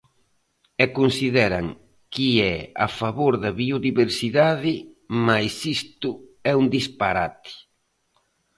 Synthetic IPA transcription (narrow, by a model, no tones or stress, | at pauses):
ɛkunsiðɛɾɐŋ | kiɛa̰faβoɾðɐβioðiβeɾsiðaðɪ | majsist̪ʊɛund̪ispaɾat̪ɪ̥